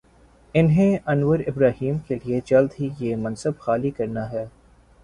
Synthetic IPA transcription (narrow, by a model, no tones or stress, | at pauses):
ɪnɦẽɐnwəɾɪbɾaːɦiːmkelied͡ʒɐld̪ɦijemɐ̃nsəbxaːlikɐɾnaɦɛː